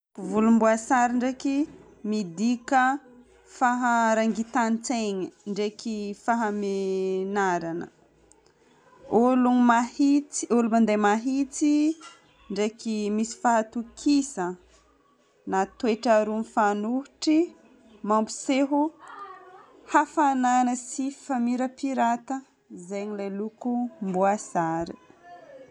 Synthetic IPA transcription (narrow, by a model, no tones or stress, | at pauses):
vulumbuasaɾiɳɖ͡ʐeki | mid̪ikə | faɦaɾaŋɡit̪anit͡seɲiɳɖ͡ʐekifaɦamenaɾanə̰ | olumahit͡siolumand̪ejmaɦit͡si | ɳɖ͡ʐekimisi̥faɦat̪ukʰisə | nat̪weʈ͡ʂaɾunfanuɦuʈ͡ʂi | mambu̥seɦu | hafananəsifamiɾəpiɾat̪ə | zeɲilalukumbuasaɾi